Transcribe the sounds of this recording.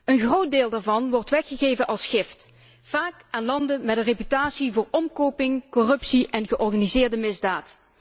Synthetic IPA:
ənχrowt̚deːlˠdaːɹvɑnʋɔɹtʋɛxəɣejvənʔɑlˠsχɪft | faːkʔaːnlɑndəmɛdərepytaːsivʊːɹɔmkowpɪŋkɔrɵpsiʔɛnɣəʔɔrχaːnizɪːɹdəmɪzdaːt

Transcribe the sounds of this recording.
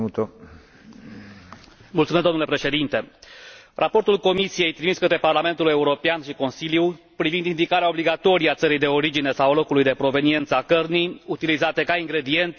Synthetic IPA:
t̪o | mult̪umezd̪omnule̞pɾe̞ʃe̞d̪int̪e̞ | rʔapo̞rt̪ulko̞misije̞jt̪ɾimiskət̪ɾe̞parlame̞nt̪ule̞uɾo̞peanʃiko̞nsilju | pɾivind̪ind̪ikaɾeao̞bliɡat̪o̞ɾijat̪səɾijd̪e̞o̞ɾid͡ʒine̞sawlo̞kulujd̪e̞pɾo̞ve̞nie̞nt̪səakərniut̪ilizat̪e̞kaiŋɡɾe̞d̪ie̞nt̪

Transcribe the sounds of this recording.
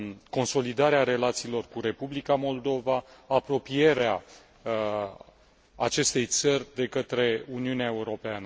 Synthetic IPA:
ko̞nso̞lid̪aɾeaɾe̞lat̪siːlo̞rkuɾe̞publikamo̞ld̪o̞vaapɾo̞pije̞ɾea | t͡ʃe̞st̪e̞jt̪sərʲd̪e̞kət̪ɾe̞uniuneaeuɾo̞peanə

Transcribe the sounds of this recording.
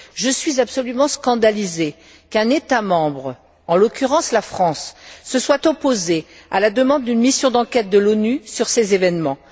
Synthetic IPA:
ʒəsɥizabsɔlymɑ̃skɑ̃d̪alize | kɛ̃net̪amɑ̃bʁ | ɑ̃lɔkʲyʁɑ̃slafχɑ̃sːəswat̪ɔpozea̰lad̪əmɑ̃d̪ːynmisjɔ̃d̪ɑ̃kʲɛt̪̚d̪əlɔnysyʁsezevɛnmɑ̃

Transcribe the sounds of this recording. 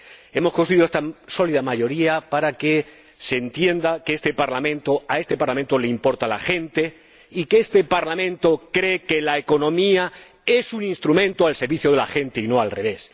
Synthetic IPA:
e̞mo̞skost̪ɾuiðoest̪aso̞liðamaʝo̞ɾiapaɾake̞ | se̞nt̪je̞nd̪akeest̪e̞paɾlamẽ̞nt̪o̞ae̞st̪e̞paɾlamẽnt̪o̞leimpo̞ɾt̪ala̰xẽ̞nt̪e̞ | ikeest̪e̞paɾlamẽnt̪o̞kɾe̞ke̞laeko̞nõ̞mia | e̞sunĩnst̪ɾumẽnt̪oalseɾβiθjoð̞eaxẽ̞nt̪e̞ino̞alre̞β̞e̞s

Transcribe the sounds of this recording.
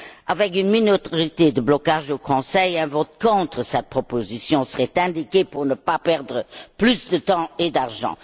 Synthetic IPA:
avɛk̬ynminoʁit̪ed̪əblɔkaʒokʰɔ̃sɛjɛ̃vɔt̪kɔ̃t̪χəsɛt̪̚pχɔpozisjɔ̃səʁɛt̪ɛ̃d̪ikepuʁnəpapɛʁd̪ʁəplysd̪ət̪ɑ̃ed̪aʁʒɑ̰̃

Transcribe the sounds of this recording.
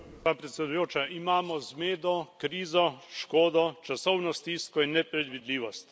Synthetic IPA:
aːpɾɛt̪sʲɛd̪ujoːt͡ʃaʔimaːmɔzmeːd̪ɔkɾiːzɔʃkoːd̪ɔt͡ʃasɔwnɔst̪iːskɔinːɛpɾɛd̪ʋid̪liːʋɔst̪

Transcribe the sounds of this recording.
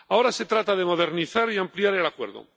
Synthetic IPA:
ao̞ɾase̞t̪ɾat̪aðemo̞ð̞e̞ɾniθaɾiampliaɾe̞lakwe̞̰ɾðo̰

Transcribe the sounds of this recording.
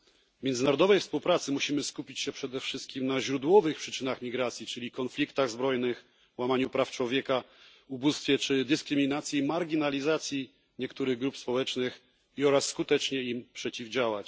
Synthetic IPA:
vmʲɛnd̪zɘnaɾɔd̪ɔvɛjfspuwpɾat̪sɘmuɕimɘskupʲit͡ɕɕɛpʂɛd̪ɛfʂɘst̪̚kʲimnaʑɾud̪wɔvɘxpʂɘt͡ʂɘnaxmʲiɡɾat̪sʲjit͡ʂɘlʲikɔnflʲikt̪aɣzbɾɔjnɘx | wamaɲupɾaft͡ʂwɔvʲjɛka | ubust̪fʲjɛt͡ʂɘd̪ɘskɾɘmʲinat̪sʲjimaɾɡʲinalʲizat̪sʲji | ɲɛkt̪uɾɘɣɡɾupspɔwɛt͡ʂnɘx | iɔɾasːkut̪ɛt͡ʂɲɛimpʂɛt͡ɕivd͡ʑawat͡ɕ

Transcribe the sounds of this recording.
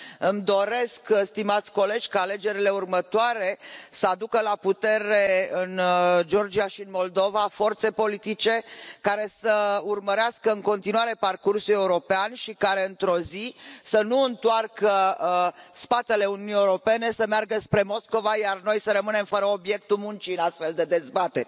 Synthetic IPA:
ɨmd̪o̞ɾe̞skst̪imat̪sʲko̞le̞d͡ʒʲkaːle̞d͡ʒe̞ɾile̞urmət̪oaɾe̞səad̪ukəlaput̪e̞ɾe̞ɨnd͡ʒo̞rd͡ʒiaʃiɨnmo̞ld̪o̞vafo̞rt̪se̞po̞lit̪it͡ʃe̞kaɾe̞səurməɾeaskəɨŋko̞n̪t̪inuaɾe̞parkursuluje̞uɾo̞peanʃikaɾe̞ɨnt̪ɾo̞zisənuɨnt̪oarkə | spat̪e̞le̞unijunieuɾo̞pe̞ne̞səmearɡəspɾe̞mo̞sko̞vajarno̞jsəɾəmɨne̞mfəɾəobje̞k̚t̪ulmunt͡ʃiɨnast̪fe̞ld̪e̞d̪e̞zbat̪e̞ɾʲ

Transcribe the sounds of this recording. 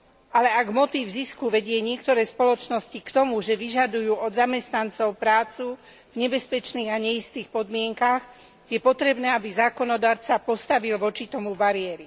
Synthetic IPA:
alɛaɡmɔt̪iːvziskuʋɛɟɪɛɲɪɛkt̪ɔɾɛːspɔlɔt͡ʃnɔscikt̪ɔmuʒɛʋiʒad̪ujuːɔd̪zamɛst̪nant͡sɔʊpɾaːt͡su | vɲɛbɛspɛt͡ʃniːɣaɲɛist̪iːxpɔd̪mɪɛŋkax | jɛpɔt̪ɾɛbnɛːabizaːkɔnɔd̪aːɾt͡sapɔst̪aʋilʋɔt͡ʃit̪ɔmubaɾɪɛɾi

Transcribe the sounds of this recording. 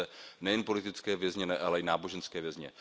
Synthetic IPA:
ɛnɛjɛnpo̞lɪt̪ɪt͡skɛːvjɛzɲɛnɛʔalɛɪnaːbo̞ʒɛnskɛːvjɛzɲɛ̰

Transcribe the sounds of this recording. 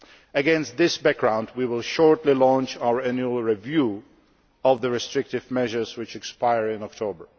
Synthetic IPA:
ɨɡɛ̃nst̚ðɪsbæk̚ɡ̥ɹãʊ̃ndwiwɪlˠʃɔɹtˡlilɔ̃nt͡ʃaʊə˞æ̃njuəl̩ˠɹivju | ʌvðəɹɨstɹ̥ɪk̚tɨvmɛʒə˞zwɨt͡ʃɨkspaɪəɹɪ̃nɔk̚tʰoʊbə˞

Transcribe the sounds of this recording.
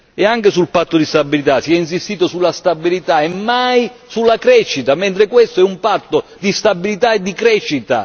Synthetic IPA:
ɛaŋkɪsulpat̪ːod̪ist̪abːilit̪asiɛins̬ist̪iːt̪osulːast̪abilit̪aɛmːajsulːakɾɛʃːit̪amɛnt̪ɾɪkwest̪oɛumpat̪ːod̪ist̪abilit̪aed̪ːikɾɛʃːit̪a̰

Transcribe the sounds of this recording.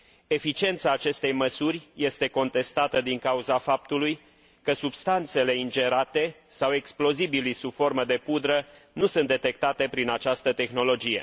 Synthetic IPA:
e̞fit͡ʃie̞nt̪saːt͡ʃe̞st̪e̞jməsurʲje̞st̪e̞ko̞nt̪e̞st̪at̪əd̪iŋkauzafap̚t̪uluj | kəsubst̪ant̪se̞le̞ind͡ʒe̞ɾat̪e̞ | sawe̞ksplo̞zibilisub̥fo̞rməd̪e̞pud̪ɾənusɨnt̪d̪e̞t̪e̞k̚t̪at̪e̞pɾinat͡ʃast̪ət̪e̞xno̞lo̞d͡ʒije̞̰

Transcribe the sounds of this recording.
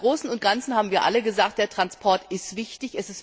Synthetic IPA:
ʁoːsn̩ʊnt̚ɡ̥ant͡sn̩haːbm̩viːɐʔa̰ləɡəzaːk̚t̚d̥eːɐtʁ̥anspʰɔɐtʔɪstv̥ɪçtɪçɛsɪst

